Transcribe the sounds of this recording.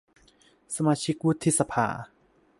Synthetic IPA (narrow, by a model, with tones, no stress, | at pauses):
sa˧maː˧t͡ɕʰi˦˥k̚wu˦˥t̪ʰːi˧˥sa˧pʰa̰ː˩